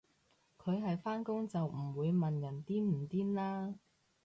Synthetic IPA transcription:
kʰɵ˨˧ɥɦɐ˨jfaː˥nkʊ˥ŋt͡sɐ˨wm̩˨˩wuː˨˧jmɐ˨njɐ˨˩nt̪iː˥m̩˨˩t̪iː˥nlaː˥

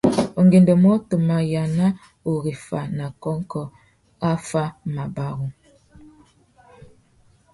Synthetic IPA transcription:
o˨ŋɡe˨ndɔ˨mɔ˦to˨ma˨ja˨na˦ | o˨ɣi˨fa˨na˨kɔ˦ŋ˦kɔ˦ | a˦fa˦ma˨ba˦ɣu˦

